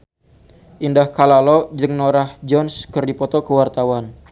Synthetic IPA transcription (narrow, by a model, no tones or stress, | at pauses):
ʔindahkalalɔd͡ʒɨŋnoɾahd͡ʒɔnskərdipɔt̪ɔkəwart̪awan